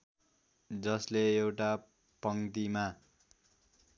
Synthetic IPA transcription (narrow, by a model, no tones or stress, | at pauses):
d͡zʌsleewʈa | pʌŋt̪ima